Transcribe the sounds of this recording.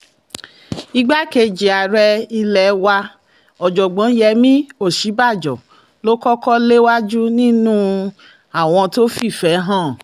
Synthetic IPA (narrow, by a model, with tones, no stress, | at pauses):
i˧ɡ͡ba˦ke˧d͡ʒe˨a˨ɾɛ˧i˧lɛ˨wa˧ | ɔ˨d͡ʒɔ˨ɡ͡bɔ̃˨˦jɛ˧mĩ˦o˦˨ʃi˨˦ba˦˨d͡ʒɔ˨ | lo˦kɔ˦kɔ˦le˦wa˦d͡ʒu˦nĩ˦nũ˦ | a˦˨w̃ɔ̃˧to˦fi˦˨fɛ˨˦ɦã˦˨